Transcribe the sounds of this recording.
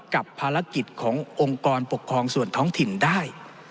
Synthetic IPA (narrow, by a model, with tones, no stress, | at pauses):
ka˨˩pʰːaː˧ɾa˦˥ki˨˩t̪̚kʰɔː˩˦ŋʔo˧ŋkɔː˧npo˨˩kʰːɾɔː˧ŋsu˨˩ənt̪ʰɔː˦˥ŋt̪ʰi˨˩ndaː˥˩j